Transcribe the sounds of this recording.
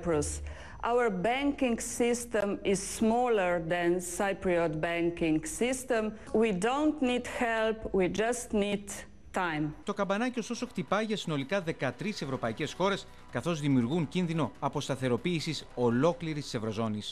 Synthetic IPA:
pɾus | ʔawəɹbɛ̃ŋkĩŋɡsist̪ɛ̃mɪssmɔləɹd̪ɛ̃nsaɪpɾiɔt̪bɛ̃ŋkɪ̃ŋksist̪ɛ̃m | widõʊnt̪nid̪xɛlpwid͡ʒast̪nid | tãjmt̪o̞kɐbɐnɐcio̞st̪o̞so̞kt̪ipɐʝɐsino̞likɐðe̞kɐt̪ɾise̞vɾo̞pɐice̞sxo̞ɾe̞s | kɐθo̞zðimiuɾɣuɲcinðino̞ɐpo̞st̪ɐθe̞ɾo̞piːsiso̞lo̞kliɾist̪ise̞vɾo̞zo̞nis

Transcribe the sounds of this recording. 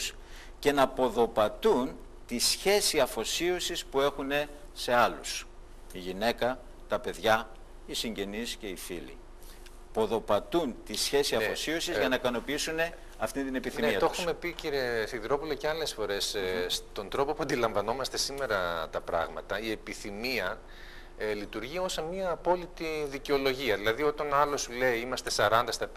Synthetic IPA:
s | ce̞nɐpo̞ðo̞pɐt̪un | t̪isçe̞siɐfo̞siosispue̞xune̞ | se̞ɐlṵs | iʝine̞kɐ | t̪ɐpe̞ðʝɐ | isiɲɟe̞nisce̞ifḭlḭ | po̞ðo̞pɐt̪unt̪isçe̞siɐfo̞siosizʝɐnɐikɐno̞piisune̞ | ɐft̪int̪ine̞piθnimneiɐt̪oumme̞piciɾesiðɾo̞pulɐceɐle̞sfo̞ɾe̞sst̪o̞nd̪ɾo̞popuɐnd̪ilɐ̃ɱvɐno̞mɐst̪e̞sime̞ɾɐt̪ɐpɾɐ̰ɣmɐ̰t̪ɐie̞piθimiɐ | lit̪uɾʝio̞sɐnmiɐːpo̞lit̪iðiceo̞lo̞ʝiɐðilɐðio̞t̪ɐnɐlo̞sule̞iimɐst̪e̞sɐɾɐnd̪ɐst̪ɐ

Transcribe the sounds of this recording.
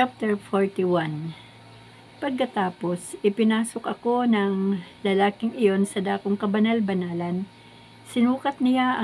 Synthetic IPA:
ap̚t̪ɛɹfoɹt̪ɪwan | pɐɡ̚kːɐt̪aːpo̞sʔɪpɪnaːso̞kʔɐko̞nɐŋlɐlaːkɪŋɪjo̞nsɐd̪aːkoŋkɐbɐnalbɐnaːlɐn | sɪnuːkɐt̪̚nɪjaʔɐ

